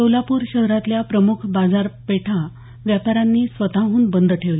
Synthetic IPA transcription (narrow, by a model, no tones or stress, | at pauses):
səwlapuːɾɕəɦɾat̪ljapɾəmukʰbad͡zaɾpeʈʰa | ʋjapaɾanːiːsʋət̪aɦuːnbənd̪əʈʰeʋli